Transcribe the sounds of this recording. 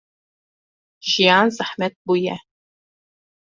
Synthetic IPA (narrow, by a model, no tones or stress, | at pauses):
ʒijɑːnzɨħmɛt̪̚bujɛ